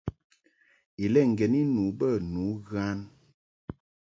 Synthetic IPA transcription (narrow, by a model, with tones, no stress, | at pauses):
i˨lɛ˦˨ŋ̩˨ɡɛ˨ni˦nu˨˦bə˦˨nu˨˦ɣa˦n